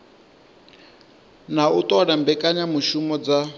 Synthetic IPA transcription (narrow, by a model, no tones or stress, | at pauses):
nautʼɔnambɛkʼaɲamuʃumɔd͡za